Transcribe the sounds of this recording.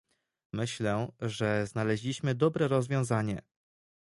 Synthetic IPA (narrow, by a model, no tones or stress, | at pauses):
mɘɕlɛʐɛznalɛʑlʲiɕmɘd̪ɔbɾɛɾɔzvʲjɔ̃w̃zaɲɛ̰